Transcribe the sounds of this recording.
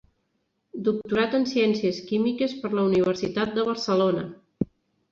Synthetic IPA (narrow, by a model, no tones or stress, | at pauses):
d̪uk̚t̪uɾat̪ənsiɛnsiəskimikəspəɾləuniβ̞əɾsit̪at̪̚d̪əβ̞əɾsəlonə